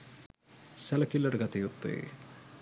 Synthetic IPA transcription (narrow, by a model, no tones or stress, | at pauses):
sɐlɐkilːɐɽɐɡɐt̪ijut̪ːḛ